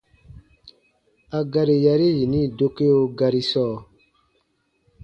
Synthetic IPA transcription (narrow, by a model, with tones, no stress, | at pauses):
a˧ɡa˧ɾi˨ja˧ɾe˦ji˨nĩ˦˨do˧ke˦o˧ɡa˧ɾi˧sɔː˦˨